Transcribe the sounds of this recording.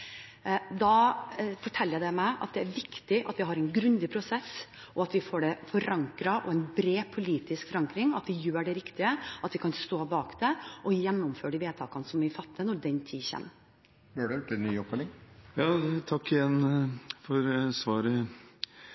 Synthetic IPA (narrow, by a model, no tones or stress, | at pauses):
d̪ɑfɔʈʰɛlːjæɪd̪ɛmæɪʔɑ̰t̪̚d̪ɛæɾʋɪkt̪ɪʔɑt̪ʋɪɦɑɾɛɪnɡɾʉnd̪ɪpʰɾʊsɛs | ʔɔɑt̪ʋɪfoːɖɛfɔɾɑŋkɾɑʔɔ̰ɛɪnbɾeːpʰʊliːt̪ɪskfɔɾɑŋkɾɪŋɑt̪ʋɪjøːɖɛɾɪkt̪ɪəʔɑt̪ʋɪkʰɑnst̪oːbɑːkd̪̥ɛʔɔjɛnːɔmføːɖiʋeːt̪ʰɑ̰ːkɑnəsɔmʋɪfɑt̪ːənɔɾd̪ɛnt̪ʰiːçɛ̰mː | jøɖɛʈːɛnːyːɔpːɛlɪŋjɑːt̪ʰɑkːɪjɛnːfɔɾsʋɑːɾə